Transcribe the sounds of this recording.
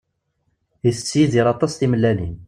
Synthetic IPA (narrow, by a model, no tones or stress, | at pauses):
iθə̥t͡sːjiðiɾɑt̪ˤɑsθiməlːænin